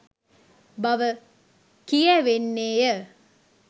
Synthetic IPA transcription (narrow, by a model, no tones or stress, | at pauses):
bɐʋə | kijəʋenːeːjə